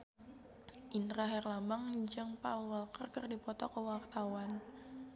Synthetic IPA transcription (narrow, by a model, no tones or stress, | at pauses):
ʔinɾaɦɛrlambaŋd͡ʒəŋpawalkərɡərdipɔt̪ɔ̰kəwart̪awan